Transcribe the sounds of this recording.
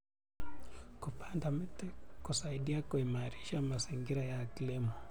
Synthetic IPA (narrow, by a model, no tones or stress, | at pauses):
kupʰandamitɛkusaiɗiakuimaɾiʃamaziŋɡiɾajakilimɔ